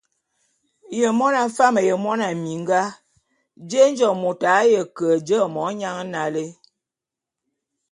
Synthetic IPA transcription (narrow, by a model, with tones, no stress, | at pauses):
jə˨mɔ˦na˨fa˦mə˨jə˨mɔ˦na˨mi˨ŋ˦ɡa˦ | d͡ʒe˦n˦d͡ʒɔ˨mo˨ta˨˦jə˨kə˨d͡ʒə˦˨mɔ˨˦ɲa˦ŋ˦na˨le˦